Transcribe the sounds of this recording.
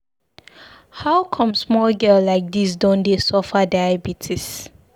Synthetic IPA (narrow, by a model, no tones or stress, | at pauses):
haʊkʰɔ̃msmɔlɡɛllaɪk̚disdɔ̃ndesɔfadaɪabitʰis